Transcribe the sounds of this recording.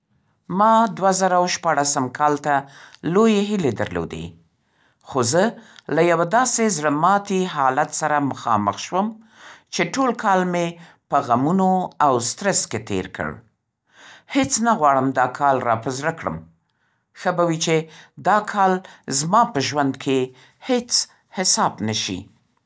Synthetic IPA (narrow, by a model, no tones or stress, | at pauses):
mɑd̪wazaɾawʃpɑɽasəmkʰɑlt̪alojeɦɪled̪a̰ɾlo̰d̪ḛ | xozəlajawad̪ɑsezɽəmɑt̪iɦɑlat̪saɾaməxɑ̰mə̰xʃwəm | t͡ʃeʈolkʰɑlme | pəɣamunoawst̪ɾɛsket̪ḛɾkə̰ɽ | het͡snaɣwɑɽəmd̪ɑkʰɑlɾɑpəzɾakɽə̰m | xəbawit͡ʃed̪ɑkʰɑlzmɑpəʒwand̪kʰe | het͡s | hɪsɑbnaʃḭ